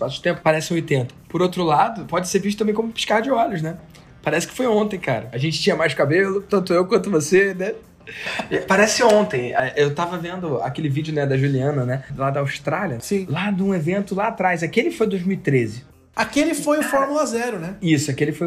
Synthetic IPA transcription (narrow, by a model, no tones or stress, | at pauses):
ʃpasʊ̥ɪ̥t̪ẽpʊ̥paɾɛsɪ̃ojt̪ẽnt̪ɐ̥pʊɾowt̪ɾʊlad̪ʊpɔd͡ʒɪseɾviʃt̪ʊt̪ɐ̃mbẽj̃kõmʊpi̥ʃkaɾd͡ʒɪɔlʊʃnɛ | paɾɛsɪ̥kɪ̥fojõt̪ẽj̃ka̰ɾɐɐʒẽnt͡ʃɪ̥t͡ʃĩɲɐmajʃkabelʊt̪ɐ̃nt̪ʊewkwɐ̃nt̪ʊvosenɛ | ɛpaɾɛsɪõt̪ẽj̃ɛʔewt̪avɐvẽnd̪ʊa̰kelɪvid͡ʒʊnɛd̪ɐʒuliɐ̃nɐnɛlad̪ɐːwʃt̪ɾalʲiɐsĩlad̪ũevẽnt̪ʊlaːt̪ɾajzakelɪfojd̪ojzmiwit̪ɾezɪ | akelɪfojʊfɔɾmulɐazɛɾʊnɛisʊakelɪfoj